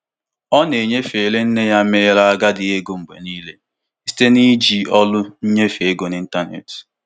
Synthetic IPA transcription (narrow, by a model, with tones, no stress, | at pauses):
ɔ˦ne˨ɲe˦fe˨le˦n̩˦ne˦ja˦me˦ɾa˦a˦ɡa˦dɪ˨e˦ɡo˨ŋ͡m̩˨ɡ͡bḛ˨niː˦le˦ | si̥˦te˦ni˦d͡ʒi˨ɔ˦lʊ˦n̩˦ɲe˦fe˨e˦ɡo˨ni˦n̩˦ta˦nḛ˨t